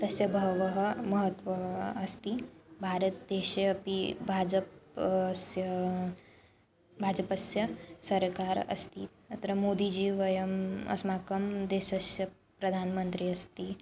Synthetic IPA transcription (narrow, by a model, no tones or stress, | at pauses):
t̪ɐsjɐbʱɐʋəɦɐməɦət̪ʋɐːst̪ibʱaɾət̪̚d̪eɕeɐpibʱad͡ʒəpsjɐ | bʱad͡ʒəpɐsjɐsɐɾkaɾɐ̰st̪iːt̪ɐt̪ɾɐmod̪id͡ʑiːʋɐjɐmɐ̰smakɐmd̪esɐsjɐ | pɾɐd̪ʱanmənt̪ɾiːɐst̪i